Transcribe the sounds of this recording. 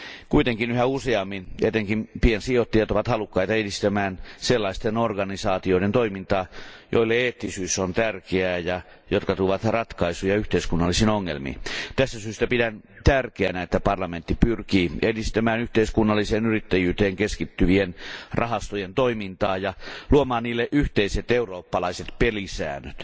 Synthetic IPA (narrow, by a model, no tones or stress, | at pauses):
kuit̪eŋkinyhæuseɑmːinet̪eŋkimpiensiot̪ːiɑt̪oʋɑt̪hɑlukːɑit̪ɑedist̪æmæːnselːɑist̪enorɡɑnisɑːt̪ioident̪oimint̪ɑːjoilːeeːt̪ːisyːsːont̪ærkeæːjɑ | jot̪kɑt̪uʋɑt̪rɑt̪kɑisujɑyht̪eiskunːɑlːisinoŋːḛlmḭːt̪æst̪æsyːst̪æpidænt̪ærkeænæet̪ːæpɑrlɑment̪ːipyrkiːedist̪æmæːnyht̪eiskunːɑlːiseːnyrit̪ːæjyːt̪eːŋkeskit̪ːyʋienrɑhɑst̪ojent̪oimint̪ɑːjɑluomɑːnniːlːeʔyht̪eiset̪euroːpːɑlɑiset̪pelisæ̰ːnøt̪